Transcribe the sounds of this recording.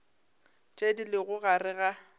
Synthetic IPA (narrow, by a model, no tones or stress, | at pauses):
t͡ʃʼedilɪɣʊɣarɪɣa